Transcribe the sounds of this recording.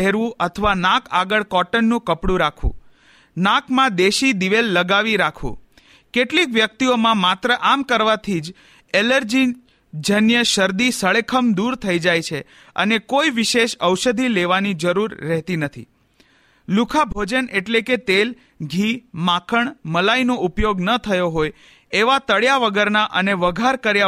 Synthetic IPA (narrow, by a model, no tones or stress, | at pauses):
ɦɛɾʋũʔət̪ʰəʋanãkaɡəɭkɔʈənːũkəpɽũɾakʰṵ̃ | nãkmãd̪eʃid̪iʋelːəɡaʋiɾakʰʋṵ̃ | keʈlikʋjək̚t̪iomãmat̪ɾəʔamkəɾʋat̪ʰid͡ʒ | eləɾd͡ʒi | d͡ʒʱənjəʃəɾd̪isəɭekʰəmd̪uɾt̪ʰəid͡ʒajt͡ʃʰe | ə̰nekoiʋiʃeʃəwʃəd̪ʱileʋanid͡ʒəɾuɾːɛɦt̪inət̪ʰḭ | lukʰabʱod͡ʒəneʈleket̪el | ɡʱimãkʰəɳməlainoʔupjoɡnət̪ʰəjoɦoj | eʋat̪əɭjaʋəɡəɾnaʔəneʋəɡʱaɾkəɾja